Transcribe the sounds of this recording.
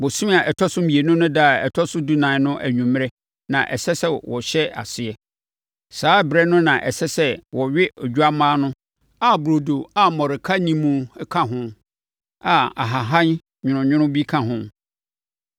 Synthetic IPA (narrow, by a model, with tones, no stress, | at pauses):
bo˨sĩ˦m˦a˨ʔɛ˨tʰɔ˦sʊ̃˦m̩˦bi˨e˨nʊ̃˦nʊ̃˦da˦˨ɛ̰˨tʰɔ˦sʊ˦du˦nã˨˦nʊ̃˦ʔæ̰˨ɲũ˨m˦ɾɛ˦ | nã˨ʔɛ̰˨sɛ˦sɛ˦wɔ˨ɕɛ˦a̰˨sɪ˨ɛ˨ | saː˨˦bɾɛ˦nʊ̃˦nã˨ʔɛ̰˨sɛ˦sɛ˦wɔ˨ɥɪ˦o˨d͡ʑᶣu˦a˦mãː˦nʊ̃˦ | a˨bɾo˨do˨a˨mɔ̃˨ɾɪ˨kʰa˦nĩ˦mũ˨˦kʰã˦ɦʊ̃˦ | a˨a̰˨ɦa˨ɦã˦n | ɲʊ̃˨nʊ̃˨ɲʊ̃˦ɾʊ̃˦bi˦kʰã˦ɦʊ̃˦